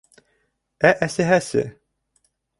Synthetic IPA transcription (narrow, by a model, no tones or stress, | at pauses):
æʔæsɘɦæsɘ̰